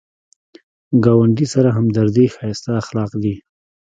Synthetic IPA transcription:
ɡɑwaɳɖisaɾaɦamd̪aɾd̪ixɑjst̪aːxlɑqd̪i

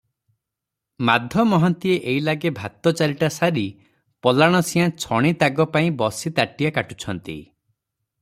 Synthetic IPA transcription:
mad̪ʱjɔmɔɦɔnt̪ieʔeilaɡebʱat̪ɔt͡ʃaɾiʈasaɾi | pɔlaɽ̃ɔsĩãt͡ʃʰɔɽ̃it̪aɡɔpaĩbɔsit̪aʈijakaʈu̥t͡ʃʰɔnt̪ḭ

